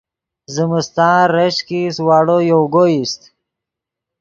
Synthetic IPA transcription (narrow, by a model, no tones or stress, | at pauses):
zəməst̪ɑ̃ːɾeʃkiswɑːɽojowɡojist̪